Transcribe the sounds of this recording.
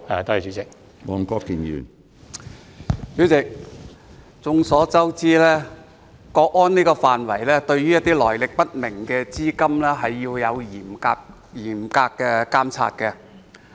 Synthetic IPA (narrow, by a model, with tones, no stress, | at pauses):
a˨t̪o˥hi˨syː˨˥t͡sɪ˨k̚ | mɔː˨˧ŋkɔː˥kiː˨njy̰ː˨˩n | syː˨˥wt͡sɪ˨k̚ | t͡sʊ˨˧ŋsɔː˨˥t͡sɐ˥wt͡siː˥lɛː˥ | kɔː˧k̚ɔː˥niː˥kɔː˧faː˨nwɐ˨˩jlɛː˥t̪ɵ˧ɥjyː˥jɐ˥t̪̚iː˥lɔː˨˩jlɪ˨k̚pɐ˥t̚mɪ˨˩ŋkɛː˧t͡siː˥kɐ˥mlɛː˥ɦɐ˨jːiː˧wjɐ˨˧wjiː˨˩mkaː˧k | jiː˨˩mkaː˧kːɛː˧kaː˥mt͡sʰa̰ː˧t̚kɛ˧